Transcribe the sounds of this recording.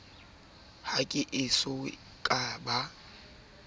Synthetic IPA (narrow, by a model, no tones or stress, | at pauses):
hakʼɪʔɪsʊ | kʼaba